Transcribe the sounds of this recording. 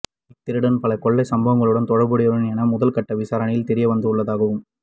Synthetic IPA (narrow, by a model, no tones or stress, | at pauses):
ɪt̪ːɪɾɯɽɐnpɐlɐkɔɭːɐɪsɐmbɐʋɐŋɡɐɭɯɽɐnt̪ɔɻɐɾbɯɽɪjʋɐɾɯnɛnɐmʊðɐlkɐʈːɐʋɪsaːɾɐnɐjɪlt̪ɛɾɪjɐʋɐnd̪ɯɯɭːɐðaːɣɐʋɯm